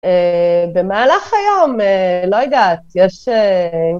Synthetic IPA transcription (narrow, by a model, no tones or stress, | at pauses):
ebemaːlaχajomelo̞jad̪at̪jɛʃe